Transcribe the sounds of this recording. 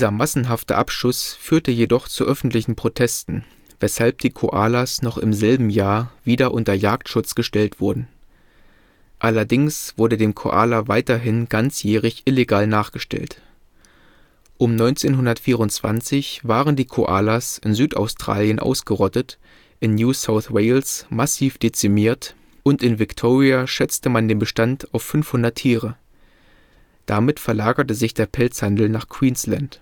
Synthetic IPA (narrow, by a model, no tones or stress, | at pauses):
d̥zɐmasn̩ɦaftə̰ʔapʃʊsfyːɐtəjedɔχt͡suʔœfn̩tlɪçn̩pʁ̥otʰɛstn̩ | vɛshalp̚d̥iːkʰoʔaːlasnɔχɪmzɛlbm̩jaːɐviːdɐʔʊntɐjaːk̚tʃʊt͡sɡ̥əʃtɛltv̥ʊɐdn̩ | ʔalɐdɪŋsv̥ʊɐdədeːmkʰo̰ʔa̰ːlavaɪtɐɦɪnɡant͡sjɛːʁ̞ɪçʔɪleɡaːlnaːχɡ̥əʃtɛ̰lt | ʔʊmnɔʏnt͡seːnɦʊndɐtfiːʁ̞ʊnt͡sv̥a̰nt͡sɪçv̥aːʁəndiːkʰoʔa̰ːlasʔɪnzyːta̰ʊstʁ̥a̰ːljənʔa̰ʊsɡ̥əʁɔtət | ʔɪnːjuːsaʊθweɪlsmasiːfd̥et͡sɪmiːɐt | ʔʊntɪnvɪktʰoːʁiaʃɛt͡stəmandeːnbəʃtantaʊfːʏnfhʊndɐtʰːiːʁə | d̥amɪtfɛɐlaːɡɐtəzɪçd̥eːɐpʰɛlt͡shandl̩naːχkʰw̥iːnslant